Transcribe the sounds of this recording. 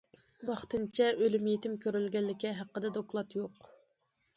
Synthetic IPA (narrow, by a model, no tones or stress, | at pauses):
wɑχt̪ɨnt͡ʃʰɛʔølymjet̪ʰɪmkʲøɾylɡʲɛlːɪkʲɛɦæqːəd̪ɛd̪oklˠɑt̪joq